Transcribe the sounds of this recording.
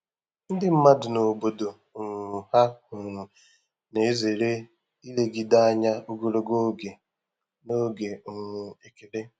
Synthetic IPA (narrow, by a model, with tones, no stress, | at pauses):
n̩˦dɪ˦m̩˦ma˦dʊ˨no˨bo˨do˨ | ŋ˨ha˦hʊ˨ | ne˨˦ze˨ɾe˦ | i˦le˦ɡi˦da˦a˦ɲa˦u˦ɡo˨ɾo˦ɡo˦ɡe˨ | no˦ɡe˨ŋ˨e˦ke˨le˦